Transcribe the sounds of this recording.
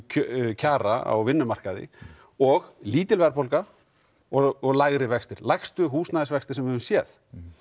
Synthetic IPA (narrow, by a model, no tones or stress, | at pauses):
cʰaːɾa̰a̰wvɪnːʏmar̥kaðɪ̰ | ɔɣliːt̪ɪlvɛɾpolka | ɔɔɣlaɣɾɪvɛkst̪ɪɾlajxst̪ʏɦuːsnaðɪsvɛkst̪ɪ̥ɾsɛmvɪhɛvʏmsjɛːð